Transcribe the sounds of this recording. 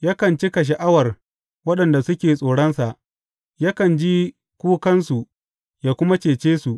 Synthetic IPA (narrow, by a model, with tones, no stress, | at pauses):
jaː˦kɐ˨nt͡ʃi˦ka˨ʃ̬a˨ʔa˦wɐ˨r | wɐ˦ɗɐ˨nda˨sʊ˦kʲeː˨sʼoː˨ɽɐ˦nsa˨ʔ | jaː˦kɐ˨nd͡ʒi˦ | kʷuː˦kɐ˦nsu˨ | jaː˦kʷʊ˦ma˦t͡ʃeː˨t͡ʃeː˦su˨ʔ